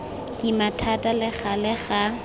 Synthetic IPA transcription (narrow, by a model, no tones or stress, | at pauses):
kʼɪmatʰatʼalɪɣalɪɣa